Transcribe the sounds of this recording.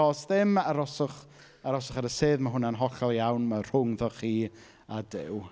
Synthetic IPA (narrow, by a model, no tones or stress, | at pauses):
ɔsðɪmaɾɔsʊχ | aɾɔsʊχaɾəseːðmaɦʊnanɦɔɬɛlˠjawnmar̥ʊŋðɔχiː | adɪw